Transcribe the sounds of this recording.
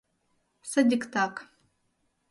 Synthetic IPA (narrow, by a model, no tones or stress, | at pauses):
sadʲiktʰakʼ